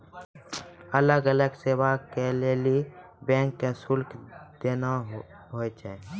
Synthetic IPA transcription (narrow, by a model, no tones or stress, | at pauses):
ələɡələɡseːʋakeleːli | bɛ̃ːŋkːesʊlkʰd̪̥eːna | ɦoet͡ʃʰɛ